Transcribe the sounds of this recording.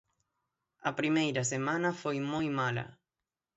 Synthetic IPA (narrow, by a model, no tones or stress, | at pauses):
apɾimejɾas̬emanafojmojmala̰